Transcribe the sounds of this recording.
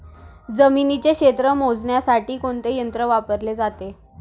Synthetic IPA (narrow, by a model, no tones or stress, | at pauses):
d͡zəminit͡ɕekɕet̪ɾəmod͡zɳjasaʈiːkoɳt̪ejənt̪ɾəʋapəɾled͡zat̪e